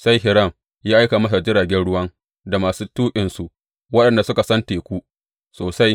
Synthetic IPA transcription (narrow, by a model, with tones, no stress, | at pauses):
sa˦jɦɪ˨ɾɐ˦˨m | jaː˦ʔa˦jkaː˨mɐ˦sa˨d͡ʒɪ˦ɽaː˨ɡʲɛ˦nɽʊ˦wɐ˦ŋ | da˨maː˨suː˦tuː˦kʲʼɪ˨nsu˨ʔ | wɐ˦ɗɐ˨nda˨sʊ˦ka˨sɐ˦nteː˨kʷu˦ʔ | soː˨sa˦j